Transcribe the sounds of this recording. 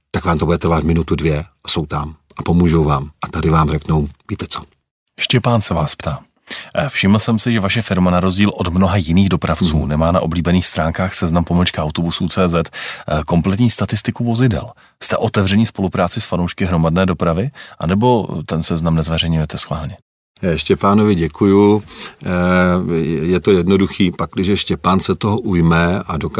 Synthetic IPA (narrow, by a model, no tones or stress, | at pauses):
t̪akvaːmt̪obudɛt̪ɾvat̪mɪnut̪udvjɛso̞wt̪amʔapo̞muːʒowvaːmʔat̪adɪvaːmrɛknowviːt̪ɛt͡so | ʃcɛpaːnsɛvaːspt̪aː | fʃɪml̩sɛmsɪʒɛvaʃɛfɪɾmanaɾo̞zɟiːlʔo̞dmno̞ɦajɪniːɣdo̞pɾaft͡sṵːnɛmaːna̰ʔo̞bliːbɛniːxst̪ɾaːŋkaːxsɛznampo̞ml̩t͡ʃkaʔawt̪o̞busuːt͡sɛːzɛt̪ko̞mplɛt̪̬ɲiːst̪at̪ɪst̪ɪkuvo̞zɪdɛ̰l | st̪ɛ̰ʔo̞t̪ɛvrɛɲispo̞lupɾaːt͡sɪsfanowʃkɪɦɾo̞madnɛːdo̞pɾavɪʔa̰nɛbo̞t̪ɛnsɛznamnɛzvɛrɛjɲujɛt̪ɛsxvaːlɲɛ | ʃcɛpaːnovɪɟɛkʰuju | jɛt̪o̞jɛdnoduxiːpaklɪʒɛʃcɛpaːnsɛt̪oɦoʔujmɛadok